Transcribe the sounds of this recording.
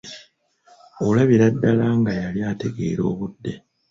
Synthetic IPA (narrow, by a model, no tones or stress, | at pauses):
olaβiɾadːalaŋɡajaljaːte̞ɡe̞̰ːɾo̞̰ːβudːe̞